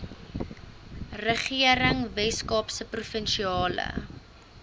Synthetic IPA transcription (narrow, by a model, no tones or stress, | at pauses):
rəχiəɾəŋvɛskɑːpsəprufənʃiɑːlə̰